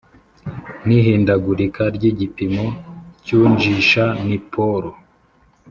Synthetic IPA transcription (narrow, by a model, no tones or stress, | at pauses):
niɦiːndaɡuɾikʰaɾɟiɟipimo̞cuːɲd͡ʒiʃanipʰoɾo